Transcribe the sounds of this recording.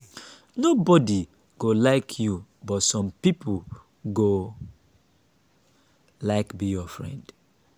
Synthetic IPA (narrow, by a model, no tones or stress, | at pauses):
nobɔdi | ɡ̥olaɪkʰjubɔtsɔ̃mpipl | ɡo | laɪkbijɔfɹɛ̰̃nd̥